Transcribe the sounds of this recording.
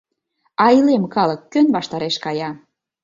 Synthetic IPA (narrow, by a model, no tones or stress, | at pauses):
ɑilemkɑlɤ̆kːønβɑʃt̪ɑɾeʃkɑjɑ